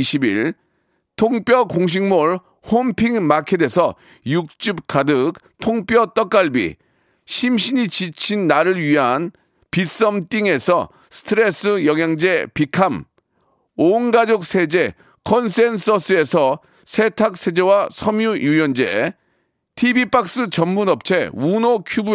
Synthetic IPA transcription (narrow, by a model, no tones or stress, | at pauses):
ɕʰibiɭ | tʰoŋp͈jʌkoŋɕ̬ʰiŋmoɭ | hompʰiŋmakʰede̞sʰʌ | juk̚t͡ɕ͈ɯp̚k͈adɯk̚ | tʰoŋp͈jʌt͈ʌk͈aɭbḭ | ɕʰimɕʰiɲit͡ɕit͡ɕʰinːaɾɯɾɥiɦan | pis͈ʌmt͈iŋe̞sʰʌ̰ | sʰɯ̥tʰɯɾes͈ɯjʌŋjaŋd͡ʑe̞pikʰam | onɡad͡ʑok̚sʰe̞d͡ʑe̞ | kʰʌnsʰensʰʌsʰɯe̞sʰʌ | sʰe̞tʰak̚s͈ʰe̞d͡ʑewasʰʌmjujujʌnd͡ʑe | tʰibip͈ak̚s͈ɯt͡ɕʌmmunʌp̚t͡ɕʰe̞unokʰjubu